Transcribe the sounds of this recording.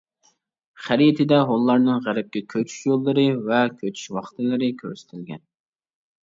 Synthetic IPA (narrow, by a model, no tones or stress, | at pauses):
χæɾijt̪ʰɪd̪ɛɦolˠːɑɾnɨŋʁæɾɪp̚kʲɛkʲʰøt͡ʃʰy̥ʃjolˠːɨɾɨvɛkʲʰøt͡ʃʰy̥ʃwɑχt̪ʰɨlˠɨɾɨkʲʰø̰ɾsɪ̥t̪ʰɪlɡʲɛ̰n